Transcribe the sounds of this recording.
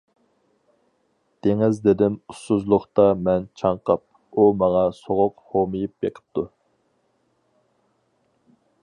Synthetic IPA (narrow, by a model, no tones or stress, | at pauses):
d̪̥eŋɪzd̪ed̪ɪmust̪uzlˠʊχt̪ɑmɛnt͡ʃʰɑɴqʰɑp̚ | umɑŋɑsoʁʊqhomɨjip̚beqʰə̥p̚t̪u